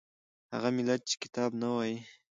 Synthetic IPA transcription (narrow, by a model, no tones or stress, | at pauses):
ha̰ɣamɪlat̪̚t͡ʃe̥kɪ̥t̪ɑbnawɑji